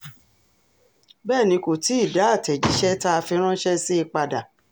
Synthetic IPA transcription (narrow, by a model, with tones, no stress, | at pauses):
bɛː˦˨nĩ˧˦ko˨ti˨˦i˦˨da˨˦a˦˨tɛ˨d͡ʒi˨˦ʃɛ˦ta˦a˧fi˧ɾ̃ã˦ʃɛ˦si˦i˧k͡pa˧da˨